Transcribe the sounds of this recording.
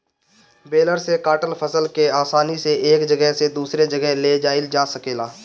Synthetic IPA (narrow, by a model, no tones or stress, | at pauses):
beːləɾsekaːʈəlpʰəsəlkeaːsaːniseeːkd͡ʒəɡɛɦsed̪uːsɾed͡ʒəɡɛɦled͡ʒaːɪld͡ʒaːsəkeːlaː